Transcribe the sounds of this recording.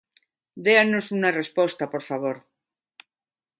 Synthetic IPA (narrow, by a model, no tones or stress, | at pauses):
d̪eanosunarespost̪apo̞ɾfaβ̞oɾ